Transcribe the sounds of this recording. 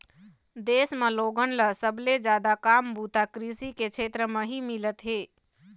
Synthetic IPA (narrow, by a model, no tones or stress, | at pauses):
d̪eːsmẽloːɡənləsəbled͡ʒjaːd̪akambut̪akɾisiket͡ʃʰeːt̪ɾəməɦimilət̪ɦeː